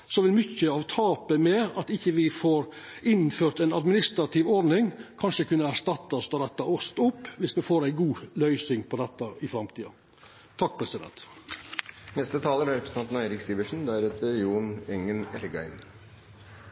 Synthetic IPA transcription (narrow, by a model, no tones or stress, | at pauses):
sɔʋɪlmʏçːəɑʋt̪ʰɑːpəmeːɾɑt̪ɪçːəʋɪfoːɾɪnføːɾt̪æɪnɑd̪mɪnɪst̪ɾɑt̪ʰɪːʋɔɾnɪŋkʰɑnʂəkʉnːəæɾʂt̪ɑt̪ːɑst̪ɑd̪ɛt̪ːɑɔst̪ʊpːʋɪsmɛfoːɾæɪɡuːlœʏsɪŋpʰɔd̪ɛt̪ːəɪfɾɑmt̪ʰiːɑ̰ | t̪ʰːɑk̚ːpʰɾɛsɪd̪ɛ̰nt̪ | nɛst̪ət̪ʰɑːləɾæɾɛpɾəsnɑnt̪næɪɾɪksiːʋəʂn̩d̪æɾɛt̪ʰəjuːnɛŋənɛɾɡæ̰ɪn